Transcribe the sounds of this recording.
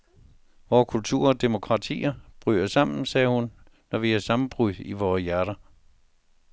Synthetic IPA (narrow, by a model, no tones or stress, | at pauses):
ʋɒːkʰult͡sʰuɐ̰ɒ̽d̥e̝mo̝kʰʁɑ̈t͡sʰḭːɐb̥ʁy̰ːɐsɑ̈m̰n̩sɛːhunː | ɒʋiæsɑ̈mn̩b̥ʁyð̩ˠiʋɒːjæɐɾ̥ɐ